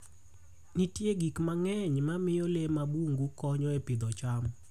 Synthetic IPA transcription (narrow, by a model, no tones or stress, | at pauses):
nitjeɡikmaŋɛɲmamɪjɔlemabuŋɡukɔɲɔepɪd̪ɔt͡ʃam